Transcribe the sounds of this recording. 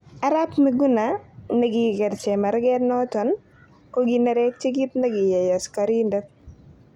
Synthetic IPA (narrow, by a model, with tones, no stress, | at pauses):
a˦ɾa˦pmi˨ɡu˦na˨nɛ˦ɡi˦ɡɛ˨ɾt͡ʃɛ˨ma˨ɾɡɛ˦ɾnɔ˦tɔ˨n | ko˦ɡi˨nɛ˦ɾɛ˦k̚t͡ʃe˦ɡi˦t̪nɛ˦ɡi˨jɛ˨jɔ˨skaɾi˦ndɛ˦